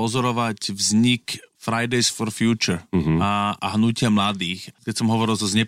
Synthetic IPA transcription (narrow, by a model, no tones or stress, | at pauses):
ɔzɔɾɔʋacvzɲikfɾajd̪ɛjsfɔɾfjuːt͡ʃuɾaaɦnucɪamlad̪iːxkɛcsɔmɦɔʋɔɾilˠzɔzɲɛ